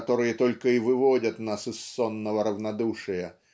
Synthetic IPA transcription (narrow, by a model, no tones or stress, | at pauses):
t̪o̞ɾɨjət̪o̞lʲkəivɨvo̞dʲət̪nasɨsːonːəvəɾəvnɐd̪uʂɨjə